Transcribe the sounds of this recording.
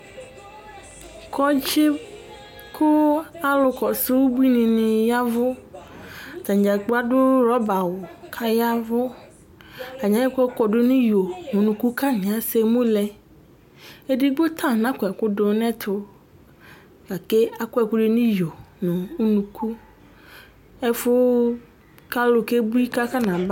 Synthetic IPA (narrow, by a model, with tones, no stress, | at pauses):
kʰɔ˦d͡ʒe˦ | kʰʊ˦a˦lʊ˨kɔ˨sɪ˦wʊ˦bu˦i˦nĩ˨nɪ̃˨ja˦vʊ˦˨ | t̪ã˨ɲ˨d͡ʒa˨k͡pʊ˦a˦dʊ˦ɾɔ˦ba˨wʊ˨kʰa˦ja˦vʊ˦ | a˨ɲã˨˦jɛ˦kɛ˦kɔ˨dʊ˦nĩ˦jo˨nʊ̃˨nũ˨ku˦ka˦ɲ˨ã˨˦se˦mũ˦lɛ˨ | e˦dɪ˦ɡ͡bo˦t̪ʰã˦˨nã˦kʊ˨ɛ˨kʊ˦dʊ˨˦nɛ̃˦t̪ʰʊ˨ | ka˨ke˦a˨kʊ˦ɛ˨kʊ˦ɖɪ˦nĩ˦jo˨nʊ̃˨˦nũ˨kʰu˦ | ɛ˦fʊ˦ | ka˦lʊ˨ke˦bu˦i˦ka˦ka˦nã˨ba˦